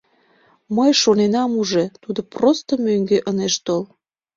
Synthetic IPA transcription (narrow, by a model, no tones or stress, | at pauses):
məjʃonenɑmuʒet̪ud̪oprost̪omøŋɡeʔəneʃt̪ol